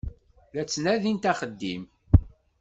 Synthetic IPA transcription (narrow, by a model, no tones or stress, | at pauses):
ðæt͡sːnæðint̪æχəd̪ːḭm